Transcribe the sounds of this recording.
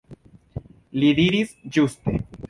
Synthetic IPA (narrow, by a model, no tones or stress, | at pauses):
lid̪iɾisd͡ʒuste̞̰